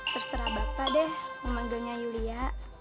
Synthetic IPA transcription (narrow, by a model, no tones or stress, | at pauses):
t̪ərsəɾabapadɛhməmaŋɡəɲajuliaʔ